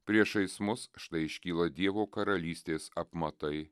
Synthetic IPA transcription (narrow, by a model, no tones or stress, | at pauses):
pʲɾʲiɛʃɐɪsmʊsʃt̪ɐɪɪʃʲkʲiːlˠɐd̪ʲiɛʋoːkɐɾɐlʲiːsʲt̪ʲeːsɐpmɐt̪ɐɪ